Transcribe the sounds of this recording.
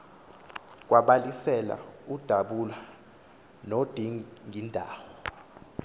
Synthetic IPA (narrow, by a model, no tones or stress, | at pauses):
k̬ʼwaɓalisɛla̰ud̥ʱaɓula | nod̥ʱiŋʱindʱa̰ːwɔ